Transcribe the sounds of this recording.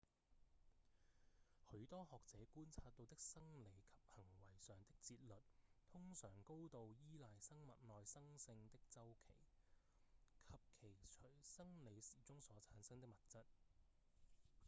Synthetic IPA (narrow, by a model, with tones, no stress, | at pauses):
hɵ˨˧˥ɥt̪ɔː˥hɔː˨k̚t͡sɛː˨˧kuː˥nt͡sʰaː˧t̪̚ːo˧wt̪ɪ˥k̚sɐ˥ŋle˨˧jkʰɐ̥˨p̚hɐ˨˩ŋwɐ˨˩jsœː˨ŋt̪ɪ˥k̚t͡siː˧t̚lɵ˨t̚t̪ʰʊ˥ŋsœ̰ː˨˩ŋko˥wt̪o˨wjiː˥laː˨jsɐ˥ŋmɐ˨t̚nɔː˨˧jsɐ˥ŋsɪ˧ŋt̪ɪ˥k̚t͡sɐ˥wkʰe˨˩j | kʰɐ˨p̚kʰe˨˩jt͡ʃʰɵ˨˩jsɐ˥ŋle˨˧jsiː˨˩t͡sʊ˥ŋsɔː˨˥t͡sʰaː˨˥nsɐ˥ŋt̪̬ɪ˥k̚mɐ˨˩t̚t͡sɐ˥t̚